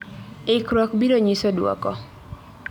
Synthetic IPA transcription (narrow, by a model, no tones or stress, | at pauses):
ɪkɾɔkbiɾoɲisodwɔ̰kɔ